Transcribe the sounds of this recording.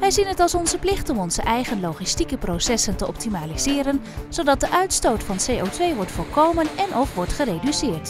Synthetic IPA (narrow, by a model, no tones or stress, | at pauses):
ʋɛjzinɦətɑlˠsɔnzəplɪχtɔmɔnzəʔɛjχənlowχistikəprowsɛsəntəʔɔp̚timaːliz̥ɪːɾən | z̥owdɑt̚dəʔœɥtstowtfɑnsejowtʋejʋɔɹtfʊːlkowmənɛnʔɔfʋɔɹtχərejdysɪːɹt